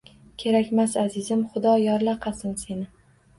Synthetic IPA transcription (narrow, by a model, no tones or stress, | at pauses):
kʲʰe̞ɾakʲmasazɪzɪmχʊd̪ɒjɒɾlaqʰɑsɪnse̞nɪ